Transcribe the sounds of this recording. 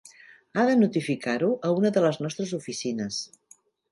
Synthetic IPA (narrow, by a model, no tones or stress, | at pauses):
aðənut̪ifikʰaɾuʔəunəðələznɔst̪ɾəzufisinəs